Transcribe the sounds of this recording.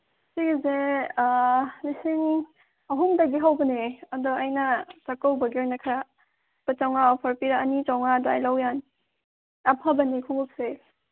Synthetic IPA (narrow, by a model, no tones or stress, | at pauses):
siɡize | lisiŋ | ɐɦumdɐɡiɦawbɐneɐdɔajnɐt͡ʃakawbɐɡeɾnakʰɾa | pat͡ʃawŋaɔpʰɐɾpiɾaːnit͡ʃawŋadajlawjan | ɐpʰabɐnikʰuŋup̚se